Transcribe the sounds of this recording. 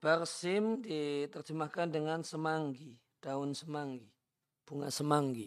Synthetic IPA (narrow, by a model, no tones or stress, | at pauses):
b̥arsɪmdit̪ərt͡ʃəmakandəŋansəmaŋɡi | d̥aʊnsəmaŋɡi | b̥uŋasəmaŋɡi